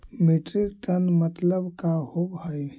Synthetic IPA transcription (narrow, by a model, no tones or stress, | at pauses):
meʈɾik̚ʈənmət̪ləbkahobhəj